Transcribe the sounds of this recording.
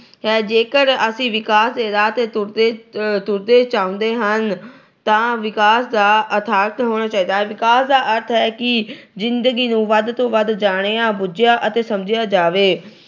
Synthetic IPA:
ɦɛːd͡ʒeːkəɾəsĩːʋɪkaːsd̪eːd̪aːt̪et̪ʊɾd̪eːt̪ʊɾd̪eːt͡ʃaːʊ̃nd̪eːɦən | t̪ãːʋɪkaːsd̪aːət̪ʰaːk̪ɦoːɽ̃aːt͡ʃaːiːd̪aːɦɛːʋɪkaːsd̪aːʔəɾt̪ʰɦɛːkɪzɪnd̪əɡiːnũːʋəd̪t̪õːʋəd̪d͡ʒaːɽ̃eːãːbʊd͡ʒɪjaːʔət̪eːsəmd͡ʒɪjaːd͡ʒaːʋeː

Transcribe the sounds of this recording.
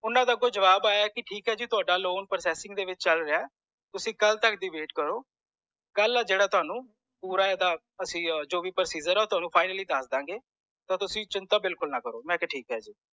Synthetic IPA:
ʊnãːd̪aːɡoːd͡ʒəʋaːbaːaːkɪʈʰiːkɦɛːd͡ʒiːt̪ʊaːɖaːloːnpəɾsɛːsɪ̃ŋɡd̪eːʋɪt͡ʃt͡ʃəlɾeaː | t̪ʊsĩːkəlt̪əkd̪iːʋeːʈkəɾoː | ɡ̥əlaːd͡ʒeːɽaːt̪ʊɦaːnũː | puːɾaːed̪aː | əsĩːd͡ʒoːʋiːpəɾsiːd͡ʒəɾɛoːt̪ʊɦaːnũːpʰaːɪnəliːd̪əsd̪ãːɡeː | t̪ãːt̪ʊsĩːt͡ʃɪnt̪aːbɪlkʊlnaːkəɾoːmɛ̃ːkeʈʰiːkɦɛːd͡ʒiː

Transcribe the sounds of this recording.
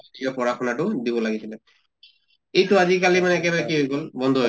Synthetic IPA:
iɔpɔɹaxʰɔnaʈʊd̪ibɔlaɡisilɛ | ejtʊazikalimanɛːkɛbaɹɛkiɦojɡɔlbɔnd̪ʱoɦo

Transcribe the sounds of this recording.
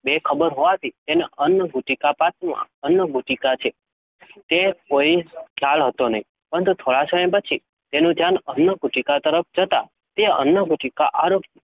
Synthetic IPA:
bekʰəbəɾɦoʋat̪ʰit̪eneənːəɡʱuʈikapat̪mã̰ənːəɡʱuʈikat͡ʃʰe | t̪ekoiʈʰaɭɦət̪onəɦĩ | pəɾənt̪ut̪ʰoɭasəməjpət͡ʃʰi | t̪enũd͡ʒanənːəɡʱuʈikat̪əɾəp̚ʰd͡ʒət̪a̰ | t̪eə̰nːəɡʱuʈikaʔaɾokʰe

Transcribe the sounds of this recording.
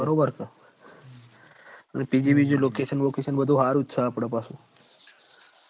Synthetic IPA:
əɾobəɾkə | aɳ̃ipid͡ʑiʋid͡ʑulokeʃənʋokeɕənbəd̪ʱũɦaɾut̪saːpɽə̃pasũ

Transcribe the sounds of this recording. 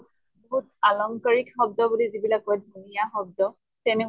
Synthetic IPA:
bɔɦut̚alɔmkɔɹikxɔb̚dɔbulizibilakɔdʱunijaxɔb̚dɔ | tɛnɛ

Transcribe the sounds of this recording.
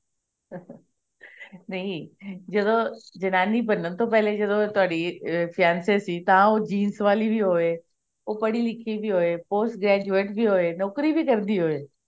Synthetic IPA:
nɐĩd͡ʑɐd̪od͡ʑɐnaːnipɐnənt̪ʰopɐɦɪled͡ʑɐd̪ot̪ʊɦaːɽifʰɪjaːnsesit̪ɐʋ̤ãod͡ʑiːnsʋaːlibiɦoe | opɐɽilɪkʰibɪɦoepoːsʈɡɾɛːd͡ʑueːʈbɪɦoenɔːkɾibɪkɐɾnd̪iɦoeː

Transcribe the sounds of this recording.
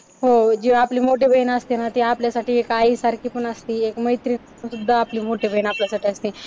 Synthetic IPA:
ɦod͡ʒeʋapliːmoʈ̬ebʱəɦinaəst̪inat̪iaːpljasaːʈʰiekaːisaɾkipənəst̪iekmɐjt̪ɾi | nsud̪ʱːaːpliːmoʈebʱəinaːpljasaːʈʰiəst̪i

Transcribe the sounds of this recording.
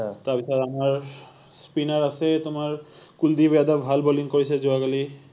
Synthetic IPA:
t̪abisadamaɾ | spinaɾasʰet̪omaɾkuld̪ibad̪abʱalboliŋkoɾit͡ɕʰed͡ʑoaɡali

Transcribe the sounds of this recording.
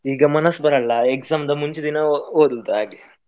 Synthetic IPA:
iːɡɐmɐnɐsːbɐɾɐɭːɐekzaːmd̪ɐmuɲt͡ʃud̪inɐoːd̪ud̪aːɡe

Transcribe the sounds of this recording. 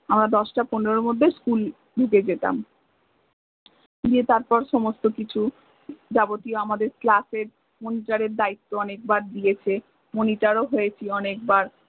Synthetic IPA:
amɾad̪ɔʃʈaponoɾomod̪ʱːeskul | ɖʱuked͡ʑet̪a̰m | diet̪aɾpɔɾʃɔmost̪okit͡ɕʰu | d͡ʑabot̪ioamad̪eɾklaseɾ | moniʈaɾeɾd̪ait̪ːoɔnek̚baɾd̪ijet͡ɕʰe | moniʈaɾoɦojet͡ɕʰiɔnekbaɾ

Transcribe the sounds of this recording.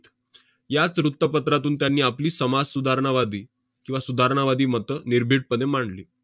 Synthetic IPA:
jat͡sɾut̪ːəpət̪ɾat̪uːnt̪janːiːapliːsəmad͡zsud̪ʱaɾɳaʋad̪iː | kĩw̃ʋasud̪ʱaɾɳ̃aʋad̪iːmət̪əniɾbʱiʈ̚pəd̪emaɳlḭː

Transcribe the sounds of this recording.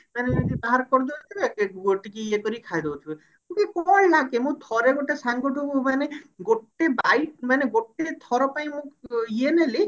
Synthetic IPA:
maned͡ʒit̪aɦaɾkɔɾd̪ɔlt̪ʰikekeɡoʈikiiekɔɾikʰajd̪ewt͡ʃʰu | mũkikɔɭlakemũt̪ʰɔɾeɡoʈesaŋɡɔʈukumaneɡoʈebajʈmaneɡoʈet̪ʰɔɾɔpaĩmũkieneli

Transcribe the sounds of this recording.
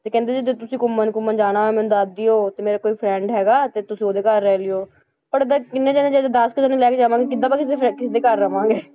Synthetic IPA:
t̪eːkɛ̃ːnd̪eːd͡ʒid̪et̪ʊsĩːkʊmːənkʊmːənd͡ʒaːnaːɛːmɛːnũːd̪ad̪ioːt̪eːmeːɾaːkoːiːpʰɾɛːɳɖɦɛːɡaːt̪eːt̪ʊsĩːoːd̪eːkəɾːɛːlɪoː | pəɾd̪ekɪnːeːd͡ʒɛːnẽːd͡ʒɛːd̪ed̪əskɪsaːnĩlɛːkeːd͡ʒaːʋãːŋɡeːkɪd̪aːpakɪs̬ekɪsːd̪eːkəɾːəʋãːŋɡeː

